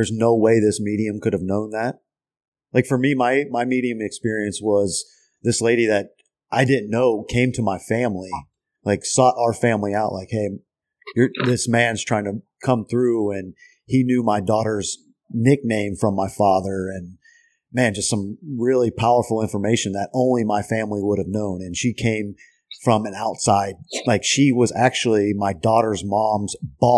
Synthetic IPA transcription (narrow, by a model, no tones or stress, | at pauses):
ə˞znoʊweɪðɪsmiɾiɨ̃mkʰʊɾɨvnõʊ̃nðæt̚ | lʔaɪkfə˞mimaɪmaɪmiɾiɨ̃mɨkspɪɹiɨ̃nswʌz | ðɪsleɪɾiðɨɾ | ʔaɪdɪdⁿn̩nːoʊkʰẽɪ̃mtʰəmaɪfæ̃mli | laɪksɔɾʔaʊə˞fæ̃mliaʊʔlaɪkheɪ | jə˞ðɪsmæ̃nz̥tʰɹ̥aɪɪ̃ŋtʰɨ | kʰʌ̃mθɹʉɨ̃n | injʉmaɪdɔɾə˞z | nɪk̚nẽɪ̃ɱfɹʌ̃mːaɪfɑðə˞ɨ̃n | mæ̃nd͡ʒʌstsʌ̃mɹɪlˠipʰaʊə˞fl̩ˠɪ̃ɱfə˞meɪʃɨ̃n̩ðɨɾʔõʊ̃nlimaɪfæ̃mliwʊɾɨvnõʊ̃nɨ̃nʃikʰẽɪ̃ɱ | fɹʌ̃mɨ̃naʊtsaɪd̚laɪkʃiwʌzæk̚t͡ʃul̩ˠimaɪdɔɾə˞zmɑ̃mzb̥ɔ